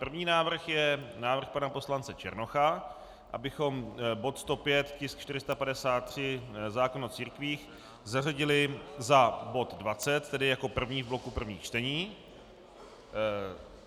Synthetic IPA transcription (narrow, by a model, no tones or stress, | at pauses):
pr̩vɲiːnaːvr̩xjɛnaːvr̩xpanapo̞slant͡sɛt͡ʃɛ̰ɾno̞xa | ʔa̰bɪxo̞mbo̞t̪st̪o̞pjɛt̪cɪskt͡ʃt̪ɪɾɪst̪apadɛsaːt̪̚t̪ːr̝̥ɪzaːkonot͡siːɾkviːx | zaraɟɪlɪzabo̞t̪dvat͡sɛt̪tːɛdɪjako̞pr̩vɲiːvblokupr̩vɲiːxt͡ʃt̪ɛɲiː